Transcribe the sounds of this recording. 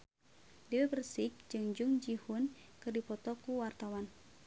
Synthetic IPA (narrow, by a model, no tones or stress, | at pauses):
dɛwɛbərsik̚d͡ʒɨŋd͡ʒuŋd͡ʒihunkɨrdipɔt̪ɔkuwart̪awan